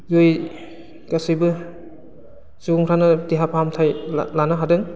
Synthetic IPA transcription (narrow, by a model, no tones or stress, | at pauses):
joj | kasɯjbɯ | zuuŋɾanɯtiɦapʰamtʰajlanaɦadɯŋ